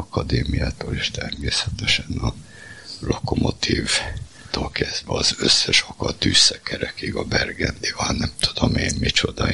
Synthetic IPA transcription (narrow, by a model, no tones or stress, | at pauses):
ɒkɒd̪eːmijaːt̪oːleːʃt̪ɛrmeːsɛt̪ɛʃɛnɒ | lo̞komo̞t̪ʰiːv | t̪oːlkɛzd̪ʋvɛɒzøsːɛʃokɒt̪yːsːɛkʰɛɾɛkiɡɒbɛrɡɛnd̪ivɒlnɛmt̪ud̪̥omeːnmit͡ʃo̞d̪ɒ